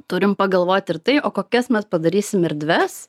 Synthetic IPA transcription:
t̪ʊɾʲɪmpɐɡɐlˠʋoːt̪ʲɪɾt̪ɐɪʔoːkoːkʲɛsmʲɛspɐd̪ɐɾʲiːsʲɪmɪɾd̪ʲʋʲɛs

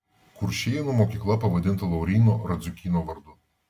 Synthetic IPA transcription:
kʊɾʃʲejɛnɔmɔkʲiklˠɐpɐʋɐd̪ʲɪnt̪ɐlˠɐwɾʲiːnɔɾɐd̪zʲʊkʲiːnɔʋɐɾd̪ʊ

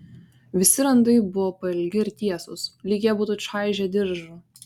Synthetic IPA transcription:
ʋʲɪsʲɪɾɐnd̪ɐɪbʊʋoːpɐɪlʲɡʲɪɪɾt̪ʲiɛsʊslʲiːɡʲɛbuːt̪ʊʃɑˑɪʒʲɛd̪ʲɪɾʒʊ

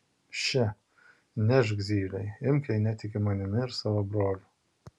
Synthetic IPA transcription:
ʃʲɛ | nʲɛʒɡzʲiːlʲɛɪɪmʲkʲɛɪnʲɛt̪ʲɪkʲɪmɐnʲɪmʲɪɪɾsɑːʋobɾoːlʲʊ

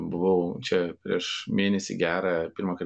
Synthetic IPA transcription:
bʊʋɐʊt͡ʃʲɛpʲɾʲiɛʃmʲeːnʲɛsʲɪ̰ɡʲæːɾɑːpʲɪɾmɐkɐ

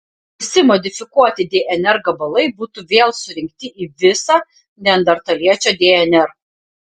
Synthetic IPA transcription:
ɪsʲɪmɔd̪ʲɪfʲɪkuɔt̪ʲɪd̪ʲeːʔɛnʲɛɾɡɐbɐlˠɐɪbuːt̪uʋʲeːlˠsʊɾʲɪŋk̚t̪ʲɪʔiːʋʲɪsɑ | nʲɛnd̪ɐɾt̪ɐlʲiɛt͡ʃʲoːd̪ʲeːɛnʲɛɾ

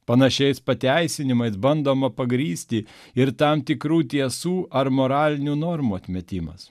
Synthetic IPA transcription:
pɐnɐʃʲɛɪspɐt̪ʲæɪsʲɪnʲɪmɐɪsbɐnd̪oːmɐpɐɡɾʲiːsʲt̪ʲɪ | ɪɾt̪ɐmt̪ʲɪkɾuːt̪ʲiɛsuːʔɐɾmoːɾɑːlʲɪnʲuːnoːɾmuːɐt̪ʲmʲɛt̪ʲɪmɐ̰s

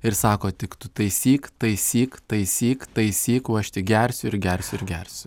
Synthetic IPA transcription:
ɪɾsɑːkoːt̪ʲɪkt̪ʊt̪ɐɪsʲiːkt̪ɐɪsʲiːkt̪ɐɪsʲiːkt̪ɐɪsʲiːkuːɐʃt̪ʲɪɡʲɛɾʲsʲʊɪɾɡʲɛɾʲsʲʊɪɾɡʲɛɾʲsʲʊ

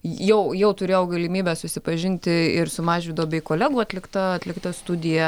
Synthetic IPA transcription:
jɛʊjɛʊt̪ʊɾʲeːjɛʊɡɐlʲɪmʲiːbʲæsʊsʲɪpɐʒʲɪnʲt̪ʲɪɪɾsʊmɑːʒʲʋʲɪd̪ɐʋoːbʲɛɪkoːlʲæːɡuːɐt̪ʲlʲɪkt̪ɐɐt̪ʲlʲɪkt̪ɐst̪ʊd̪ʲɪjɛ

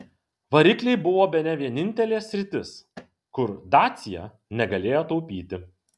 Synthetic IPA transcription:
ʋɐɾʲɪklʲɛɪbʊʋoːbʲɛnʲɛʋʲiɛnʲɪnʲt̪ʲɛlʲeːsʲɾʲɪt̪ʲɪs | kʊɾd̪ɑːt̪sʲɪjɛ̰ | nʲɛɡɐlʲeːjoːt̪ɒʊpʲiːt̪ʲɪ

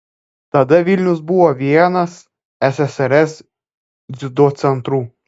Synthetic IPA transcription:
t̪ɐd̪ɐʋʲilʲnʲʊs̬buʋɔʋʲiɛnɐs | ɛsɛsɛɾɛs | zʲɪd̪oːt̪sʲɛnt̪ɾuː

